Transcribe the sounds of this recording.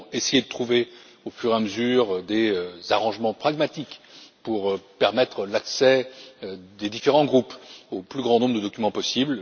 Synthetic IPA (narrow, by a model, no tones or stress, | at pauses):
esejed̪ət̪χuve | ofyʁeãməzyʁd̪eøzaʁɑ̃ʒmɑ̃pχaɡmat̪ikpuʁpɛʁmɛt̪χəlaksɛ | d̪ed̪ifeʁɑ̃ɡʁupoplyɡʁɑ̃nɔ̃bʁd̪əd̪ɔkʲymɑ̃pɔsibl